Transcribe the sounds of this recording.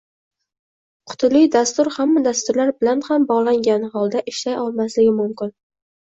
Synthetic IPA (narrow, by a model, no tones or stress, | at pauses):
qʰʊ̥t̪ʰɪlɪjd̪ast̪ʊɾhamːad̪ast̪ʊɾlaɾbɪlanhambɒʁlˠaŋɡʲanɦɒlˠd̪aʔɪʃlajɒlˠmaslɪɡʲɪmʊmkʲɪn